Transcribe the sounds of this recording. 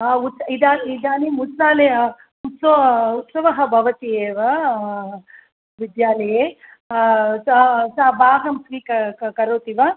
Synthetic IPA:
ut̪sɐid̪aːnid̪aːnimut̪saːleɐ | ut̪sout̪sɐʋɐɦɐ̆bʱɐʋɐt̪ijeːʋɐ | ʋid̪jaːlɐjeː | sɐsaːbaːɦɐmsʋiːkɐkɐɾoːt̪iʋɐ

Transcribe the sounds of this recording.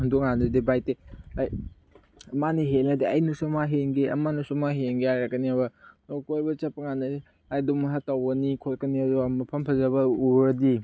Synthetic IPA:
undukŋanɐdibajteaj | ɐmaniɦelnɐdiɐjnusumaɦenɡeʔɐ̰manusumaɦeŋɡeajɾɐkɐniabɐnokojbɐt͡ʃɐpɐŋanɐ | ajdumɐɦatawɡɐnikʰotkɐniɐduɐmɐpʰɐmpʰɐzɐβɐuɾɐdi

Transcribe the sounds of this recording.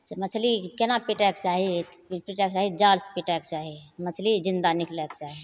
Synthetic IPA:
smət͡ʃʰlikenapiʈɛkt͡ʃaːɦipiʈɛkt͡ʃaːɦid͡ʒaːlspiʈɛkt͡ʃaːɦimət͡ʃʰlid͡ʒɪ̃nd̪anɪklɛkt͡ʃaːɦi

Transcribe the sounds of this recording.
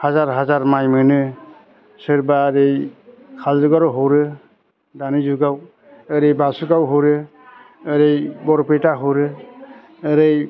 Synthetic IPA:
hazaɾɦazaɾmajmɯnɯ | sɯɾbaɾej | kʰalzuɡaɾɔɦowɾɯ | danizuɡaw | əɾejbasuɡawɦoɾɯ | əɾejbɔɾpetaɦowɾɯː | ɾej

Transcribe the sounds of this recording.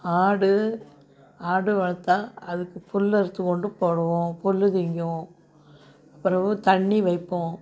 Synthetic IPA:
aːɽɯ | aːɽɯʋɐɭɐt̪ːaːɐðɯkːɯfʊlːɛɾɯt̪ːɯkːɔɳɖɯpoːɽɐʋõːpʊlːɯt̪ɪŋɡɐõ | ɐpːɯɾɐʋɯt̪ɐɳːiʋɐɪpːõ

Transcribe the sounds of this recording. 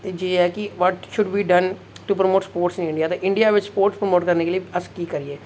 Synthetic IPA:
ed͡ʒeːɦɛkiʋɔʈʃʊɖbiːɖɐ̃n | ʈupɾəmoːʈspoːɾʈsɪ̃nɪ̃ɳɖijaːt̪eʔɪ̃ɳɖijaʋɪt͡ʃspoːɾʈspɾəmoːʈkɐɾnekelieɐskiːkəɾieː

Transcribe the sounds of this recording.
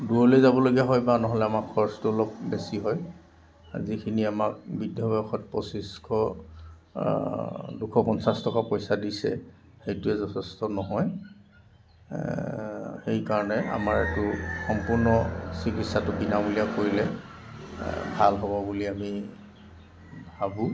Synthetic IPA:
duɹɔlejzabɔloɡijaɦɔjbanɔɦɔlɛamakʰːɔɹstʊɔlɔk̚besiɦɔj | zikʰiniamak̚bidʱjɔbaxɔt̚pɔsiskʰɔ | dukʰɔkɔnsastʰɔkapɔjsadisɛ̰ | xejtʊɛzɔtʰɛstɔnɔɦɔj | xejkaɹɔnɛʔa̰maɹetʊxɔmpuɹnɔsikitsatʊbinabulijakoɹilɛ | bʱalɦɔbɔbuliami | bʱabu

